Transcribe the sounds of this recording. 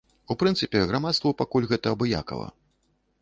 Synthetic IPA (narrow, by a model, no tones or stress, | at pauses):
upɾɨnt̪sɨpʲɛɣɾamat̪st̪vɐpakulʲɣɛt̪ɐːbɨja̰kɐ̰lˠɐ̰